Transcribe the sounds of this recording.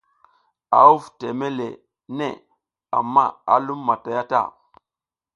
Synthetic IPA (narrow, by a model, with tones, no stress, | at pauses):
a̰˨u˦vte˨me˦lḛ˨ | ne˦˨ | a̰˨mːa˦a˨lu˦mːa˨ta˨ja˦ta̰˦˨